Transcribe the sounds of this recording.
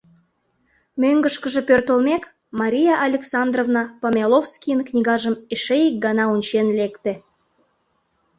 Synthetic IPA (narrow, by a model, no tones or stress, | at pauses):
møŋɡəʃkəʒĕpørt̪olmek | mɑɾʲijɑʔːlʲeksɑnd̪rovnɑpɑmʲɑlˠofskʲijənknʲiɣɑʒəmeʃejik̚ɡɑnɑunʲt͡ɕenlekt̪e